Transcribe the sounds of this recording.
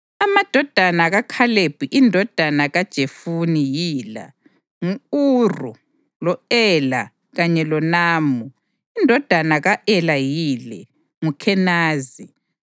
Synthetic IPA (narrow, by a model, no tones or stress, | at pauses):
amad̥ʱɔd̥ʱanaɣakʰaleb̥ʱiʔindʱɔd̥ʱanaɣad̥ʒ̥ʱefunijiːla̰ | ŋuurṵ | lɔɛla | ɣaɲɛlɔnaːmu | indʱɔd̥ʱanaɣaʔɛlajiːlɛ | ŋukʰɛnaːzi